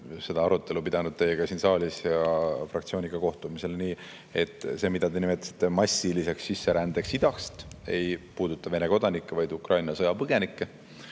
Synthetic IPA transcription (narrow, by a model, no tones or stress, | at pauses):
se̞d̪ɑɑɾut̪ːˑe̞lupid̪̥ɑnud̪̚t̪e̞jeɡ̥ɑsiːnsɑːlʲisjɑfrɑkt̪sio̞ːnʲikɑko̞ht̪umise̞lniː | e̞t̪ːˑse̞ːmid̪̥ɑd̪e̞nimet̪ːˑɑ̥si̥t̪ˑːe̞mɑsʲːilise̞ksːisːe̞ɾænd̪̥e̞ksid̪̥ɑkst̪e̞jpuːd̪̥ut̪ˑːɑve̞ne̞ko̞d̪ɑnikːevɑjd̪ukrɑjnɑsɤjɑpɤɡ̥e̞nikːe